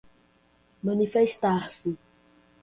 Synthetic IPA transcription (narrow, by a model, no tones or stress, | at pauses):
mɐ̃nifeʃt̪aɾsɪ